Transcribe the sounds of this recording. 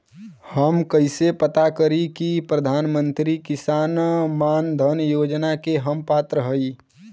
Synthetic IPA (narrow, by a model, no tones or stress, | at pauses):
həmkəɪsepət̪akəɾikipɾəd̪ʱaːnmə̃nt̪ɾikɪsaːnmaːnd̪ʱənjoːd͡ʒnakeɦəmpaːt̪ɾəɦəi